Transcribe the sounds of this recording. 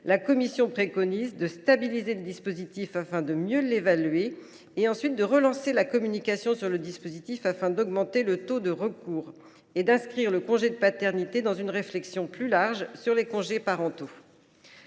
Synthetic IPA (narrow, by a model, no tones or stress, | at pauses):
lakɔmisjɔ̃pχekɔnizd̪əst̪abilizeləd̪ispozit̪ifafɛ̃d̪əmjølevalɥe | eɑ̃sɥit̪̚d̪əʁəlɑ̃selakɔmynikasjɔ̃syʁləd̪ispozit̪ifafɛ̃d̪ɔɡmɑ̃t̪elət̪od̪əʁəkuːʁ | ed̪ɛ̃skχiʁləkɔ̃ʒed̪əpat̪ɛʁnit̪ed̪ɑ̃zynʁeflɛksjɔ̃plylaʁʒsyʁlekɔ̃ʒepaʁɑ̃t̪o